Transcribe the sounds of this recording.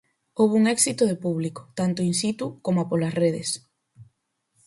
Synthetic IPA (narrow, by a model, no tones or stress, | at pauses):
owβ̞uŋɛksit̪oðepuβliko̥t̪ant̪oinsit̪ukomapolɐsreðes